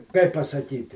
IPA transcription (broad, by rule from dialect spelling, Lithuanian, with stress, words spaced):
ˈkɐɪp pɐsɐˈkʲiːtʲɪ